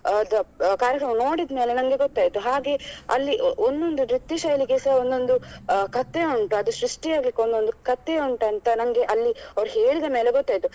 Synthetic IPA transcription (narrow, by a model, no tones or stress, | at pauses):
d̪ɐkaːɾjɐkɾɐmɐno̞ːɽid̪ɐme̞ːlenɐŋɡe̞ɡot̪ːaːjit̪ːuɦaːɡe̞ːɐ̰lːiʔond̪o̞nd̪unɾit̪ːiʃɐjliɡesɐɐond̪o̞nd̪ukɐt̪ːeuɳʈuɐd̪uʃɾuʂʈijaːɡlikːond̪o̞nd̪ukɐt̪ːeuɳʈɐnt̪ɐnɐŋɡe̞ʔɐlːiɐʋɐɾuɦeːɭid̪ɐme̞ːle̞ɡɔt̪ːaːjt̪ːu